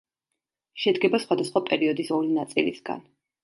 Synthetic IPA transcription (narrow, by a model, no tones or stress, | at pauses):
ʃɛd̪ɡɛbasχwad̪asχwapʼɛɾiɔd̪isɔlinat̪sʼḭlḭsɡa̰n